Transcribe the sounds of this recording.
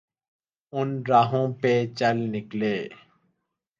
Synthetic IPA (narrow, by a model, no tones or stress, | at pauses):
ʊnɾaːɦõːpeːt͡ʃəlnɪkleː